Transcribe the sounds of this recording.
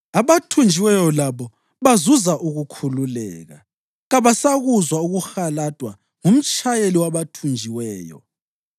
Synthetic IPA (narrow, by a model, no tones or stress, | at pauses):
aβatʰund͡ʒʱiwɛjɔlaβɔ | βazuzaʔuɣukʰululɛ̰ːɣa̰ | ɣaβasaɣuzwauɣuxalad̥ʼʱwa | ŋum̩t͡ʃʼajeliwaβatʰund͡ʒʱiwɛːjɔ̰